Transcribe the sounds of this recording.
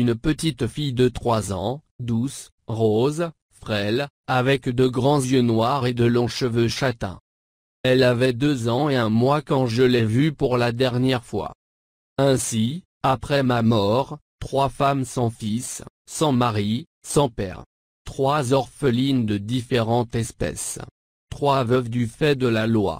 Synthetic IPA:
ynpət̪it̪fijd̪ət̪χwazɑ̰̃d̪us | ʁoz | fχɛl | avɛkd̪əɡʁɑ̃zjønwaʁed̪əlɔ̃ʃəvøʃat̪ɛ̰̃ | ɛlavɛd̪øzɑ̃eɛ̃mwakɑ̃ʒəlɛvypuʁlad̪ɛʁnjɛʁfwa̰ | ɛ̃si | apχɛmamɔʁt̪χwafamsɑ̃fisː | ɑ̃maʁi | sɑ̃pɛ̰ʁ | t̪χwazɔʁfəlind̪əd̪ifeʁɑ̃t̪ɛspɛ̰s | t̪χwavəvd̪yfɛd̪əlalwa̰

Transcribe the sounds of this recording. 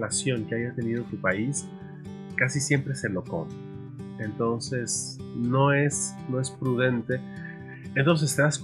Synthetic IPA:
lasjo̞ŋkeajat̪e̞nið̞o̞t̪upais | kasisje̞mpɾe̞se̞lo̞ko̰m | ent̪o̞nse̞sno̞es | no̞e̞spɾuðe̞nt̪e̞ | ent̪o̞ns̬e̞seðask

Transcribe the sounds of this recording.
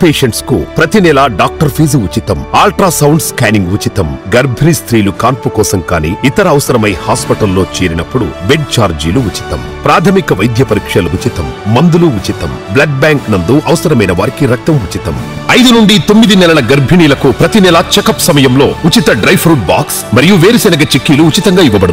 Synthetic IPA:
peːʂɐɳʈskupɾɐt̪inɛlaɖaːk̚ʈɐɾpʰiːzut͡ʃit̪ɐmaːlʈɾaːsɐwɳɖskaːniŋɡʋut͡ʃit̪ɐmɡɐɾbʱinist̪ɾiːlukaːɾpukɔːsɐmkaːnḭːit̪ɐɾɐːʋɐsɐɾɐmɐjhaːspɐʈɐlːo̞ːt͡ʃeːɾinɐpːuɽṵbeɖ̚t͡ʃaːɾd͡ʒiːluʋut͡ʃi̥t̪ɐ̰m | pɾaːt̪ʰɐmikɐʋɐjd̪ʱjɐpɐɾikʂɐluʋut͡ʃit̪ɐmːɐnd̪uluʋut͡ʃit̪ɐmblɐɖ̚baːŋknɐnd̪uʔɐʋɐsɐɾɐmɐjnɐʋaːɾikiɾɐk̚t̪ɐmut͡ʃit̪ɐmɐjd̪unuɳɖit̪omːid̪inɛlɐlɐɡɐɾbʱiɳiːlɐkupɾɐt̪inɛlat͡ʃɛkɐpsɐmɐjɐmlo̞ːut͡ʃit̪ɐɖɾɐjpʰɾuːʈ̚ba̰ːksmɐɾijuʋeːɾisɐnɐɡɐt͡ʃekːiːluut͡ʃit̪ɐŋɡaːiʋːɐbɐɽɐ

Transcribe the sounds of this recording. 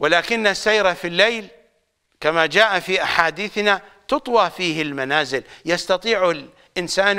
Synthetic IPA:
wɪlaːkɪnːasːajɾafilːejl | kamad͡ʒaːʔafiːʔaħaːd̪iːθnat̪ʊt̪ˤwɑːfiːhɪlmanaːzɪljɑst̪ɑt̪ˤiːʕʊl | ʔɪnsaːn

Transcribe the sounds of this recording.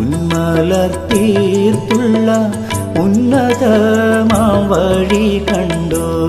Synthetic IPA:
ʊnmɐlɐɾt̪iɾt̪ʊɭːɐ | ʊnːɐðɐmaʋɐɻikɐɳɖɯ

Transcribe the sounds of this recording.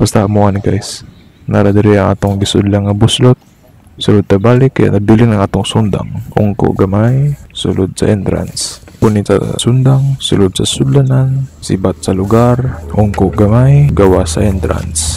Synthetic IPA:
b̥ast̪amʊʔanɪkajs | naɾad̪ɪɾiɐŋʔa̰ːt̪oŋɡɪsʊd̪laŋːɐbʊslot̪̚ | sʊlod̪̚t̪ɐbaːlɪkːɐja̰ʔnɐbiːlɪnɐŋʔaːt̪oŋsund̪a̰ŋʔʊ̰ŋko̰ʔɡɐmajsʊ̰lod̪̚sɐ̰ʔɛnt̪ɾa̰nspʊnɪsɐ̰sʊnd̪aŋsʊlod̪̚sɐsʊd̪lanansɪbat̪̚sɐlʊɡaɾʔʊŋkoʔɡɐmajɡɐwasɐ̰ʔɛnt̪ɾa̰ns

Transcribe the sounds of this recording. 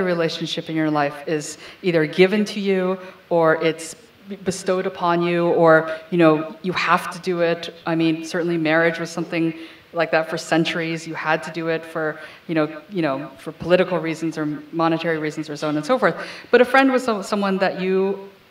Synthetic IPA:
ɹileɪʃn̩ʃɪpɨ̃njə˞laɪfɪz̥iðə˞ɡɪvɨ̃ntʰɨjʉ | ə˞ʔɪts | bɨstoʊɾəpʰɑ̃njʉə˞jɨñoʊjɨhæftʰɨdɨɪɾʔaɪmĩnsɜ˞ʔn̩limɛɹɪd͡ʒwʌz̥sʌ̃mθɪ̃ŋ | laɪk̚ðɨtfə˞sɛ̃nt͡ʃə˞izjɨəd̚tʰɨdɨɪtfə˞ | jɨñoʊjɨñoʊfə˞pʰəlɪɾɨkl̩ˠɹiz̃n̩zə˞mɑñɨtʰɛɹiɹizn̩zə˞soʊʌ̃ñɨ̃nsoʊfɔɹθb̥ʌɾɨfɹɛ̃nd̚wʌz̥sʌsʌ̃mwʌ̃nðɨt͡ʃɨ

